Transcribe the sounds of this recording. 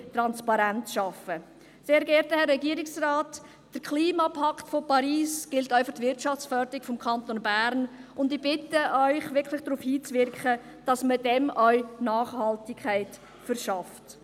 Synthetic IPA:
tɾɑnspɑɾæntʃɑfə | seːɾɡɛɾtəhɛrːɛɡiːɾɪksraːt | d̥əɾkʰliːmɑpʰɑktfopɑɾiːsɡ̥ɪltœʏfɑχtʋɪɾt͡ʃɑft͡sfœːɾdəɾɪkfɔmkʰɑntonbæɾnʊndɪb̥ɪtəʔœʏχʋɪkʰlɪχd̥ɾuːfhiːt͡sʋɪɾkχə | d̥ɑsməd̥ɛmʔœɥnɑːχhɑltɪkʰːæɪt | fəɾʃɑft

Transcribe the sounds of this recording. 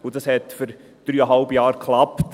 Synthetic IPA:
ʊd̥ɑshɛtfʏɾ | d̥ɾyːəɦɑlbəjɑːɾkʰlɑpt

